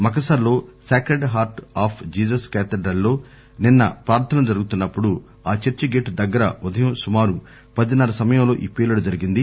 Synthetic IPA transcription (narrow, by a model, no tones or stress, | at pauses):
mɐk̬ɐsaːɾlo̞ːsaːkɾeɖɦaːɾʈaːpʰd͡ʒiːsɐskeːt̪ɐɖɾɐlːo̞ː | ninːɐ̰pɾaːɾt̪ʰɐnɐmd͡ʒɐɾuɡut̪unːɐpːuɽu | aːt͡ʃeɾt͡ʃiɡeːʈd̪ɐɡːɐɾɐ̰ud̪ʱɐjɐmsumaːɾu | pɐd̪inɐɾɐsɐmɐjɐmlo̞ːʔḭːpiːlɐɽud͡ʒɐɾiɡind̪i